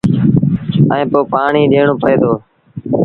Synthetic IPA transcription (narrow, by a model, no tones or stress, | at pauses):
əẽːpoːpaːɳiːɗeːɳõːpəeːd̪oː